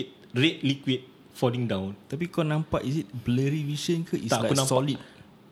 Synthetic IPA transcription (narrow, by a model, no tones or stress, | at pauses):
t̚ | ret̚likwit̚ | fɔlĩŋdãwnt̪ap̬ikanãmpaʔisit̚bləɾivisənkəʔist̪alajkuknãmsɔalit̚